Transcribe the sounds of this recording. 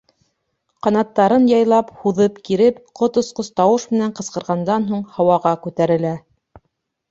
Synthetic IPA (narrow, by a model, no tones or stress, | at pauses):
qɑnɑt̪ːɑɾɤnjɑjlˠɑphuðɤpkiɾɘpqot̪ŏsqost̪ɑwɤʃmɘ̆næɴqɤ̆sqɤ̆ɾʁɑnd̪ɑnɦuɴhɑwɑʁɑkʉt̪æɾɘ̆læ